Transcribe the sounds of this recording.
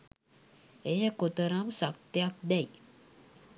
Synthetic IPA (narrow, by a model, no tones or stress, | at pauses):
ejəkot̪əɾamsak̚t̪jak̚d̪ɛj